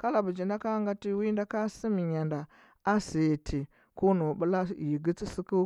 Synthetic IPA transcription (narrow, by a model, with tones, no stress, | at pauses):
ka˦la˨bu˨d͡ʒi˨nda˦ka˦ŋɡa˦ti˦wi˦nda˦ka˦si˦mi˨ɲa˨nda˨ | a˦si˨je˨tʰi˨ | ko˦nu˨bu˦la˦˨ji˨ɡi˦t͡si˦si˦ku˦